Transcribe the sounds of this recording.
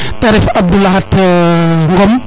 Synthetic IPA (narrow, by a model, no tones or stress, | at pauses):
taɾifɐb̚dulaɦɐt | ŋɡɔm